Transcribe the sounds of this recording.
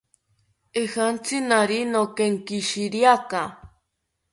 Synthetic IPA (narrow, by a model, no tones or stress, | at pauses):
ehant͡sinaɾinokeŋkiʃiɾjaka